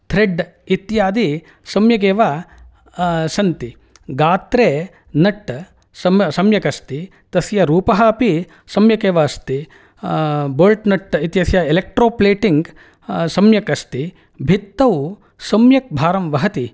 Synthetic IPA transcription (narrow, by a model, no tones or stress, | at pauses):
t̪ʰɾeɖit̪jaːd̪i | sɐmjɐk̬eːʋa | sɐnt̪i | ɡaːt̪ɾeː | nɐʈː | sɐmɐsɐmjɐkɐst̪i | t̪ɐsjɐɾuːpɐɦɐːpi | sɐmjɐkeːʋɐːst̪i | boːlʈnɐʈːit̪jɐsjɐelek̚ʈɾoːpleːʈiŋɡ | sɐmjɐkɐst̪i | bʱit̪ːɐw | sɐmjɐk̚bʱaːɾɐmʋɐɦɐt̪i